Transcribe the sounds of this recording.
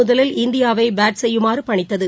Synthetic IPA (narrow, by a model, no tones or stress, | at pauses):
ʊðɐlɪlɪnd̪ɪjaːʋɐɪbaːʈsɛjːɯmaːrɯpɐɳɪt̪ːɐðɯ